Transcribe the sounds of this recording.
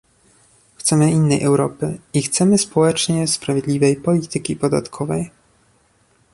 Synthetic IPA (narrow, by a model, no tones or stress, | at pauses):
xt̪sɛmɘinːɛjʔɛwɾɔpɘixt̪sɛmɘspɔwɛt͡ʂɲɛspɾavʲjed̪lʲivɛjpɔlʲit̪ɘkʲipɔd̪a̰t̪kʰɔvɛj